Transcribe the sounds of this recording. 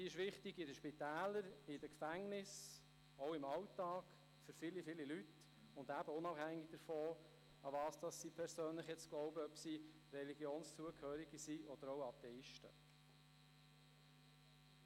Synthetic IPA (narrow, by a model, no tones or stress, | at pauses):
siːɪʃʋɪχtɪɡɪdəʃpit̪æːləɾɪd̥əkfæŋnɪs | oʊɪmɑwtːɑːɡ̥ | fʏɾfɪlifɪlilyt | ʊndæb̥əʊnɑphæŋːɪɡ̚d̥̪əɾfɔː | ɑvɑːsd̥ɑsːipʰɛɾsøːnləχjɛt͡sklɔʊbəœpsi | rɛliɡjoːnst͡suəkʰhøːɾiɡisiʔɔd̥əɾowɑt̪ɛɪʃtə̰